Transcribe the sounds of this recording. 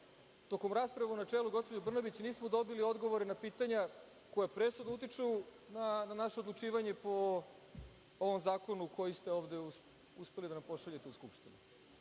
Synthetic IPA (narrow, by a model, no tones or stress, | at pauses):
t̪o̞ko̞mɾaːspɾaʋaunat͡ʃeluɡo̞spo̞d͡ʑebr̩nabit͡ɕniːsmo̞d̪o̞bilio̞d̪ɡo̞ʋo̞ɾenapiːt̪aɲa | ko̞japɾesud̪nout̪̬it͡ʂɛ | nananaʃe̞od̪lˠut͡ʂiːʋaɲe̞po̞ | oʋo̞mzaːko̞nukʰo̞jist̪e̞o̞ːʋd̪e̞u | uspe̞lid̪anampo̞ʃaʎet̪euskupʃt̪inu